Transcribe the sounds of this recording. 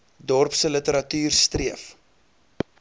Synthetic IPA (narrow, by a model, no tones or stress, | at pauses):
dɔrpsələtəɾɐtyːrstriəf